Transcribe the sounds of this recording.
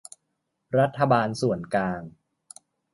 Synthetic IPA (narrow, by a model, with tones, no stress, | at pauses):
ɾa˦˥t̪ʰːa˧baː˧nsu˨˩ənklaː˧ŋ